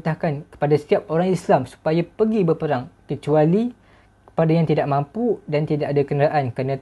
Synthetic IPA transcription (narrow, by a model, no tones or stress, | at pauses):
t̪ahkankə̥padasə̥t̪iap̚oɾaŋislamsu̥pajapəɡibərpəɾaŋkət͡ʃuali | kə̥padajaŋt̪idaʔmãmpudant̪idaʔadakənɾaʔankana